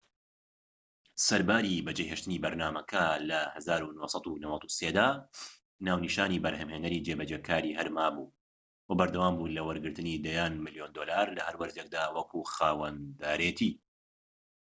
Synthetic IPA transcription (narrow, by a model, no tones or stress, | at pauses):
sɐɾbaːɾibɐd͡ʒejɦeːʃt̪ɨniːbɐɾnaːmɐkʰɐlɐhɐzaːɾunohsˤɑt̪unɐwɐt̪u̥seːd̪aː | naːwniʃaːniːbɐɾhɐmhenɐɾid͡ʒebɐd͡ʒeːkaːɾihɐɾmaːbuː | wɐbɐɾd̪ɐwaːmbuːlɐwɐɾɡɨɾt̪ɨnid̪ɐjaːnmɨljoːnd̪oːlaːɾlɐhɐɾwɐɾd̪ek̚d̪aːwɐkuxaːwɐnd̪aːɾet̪ʰiː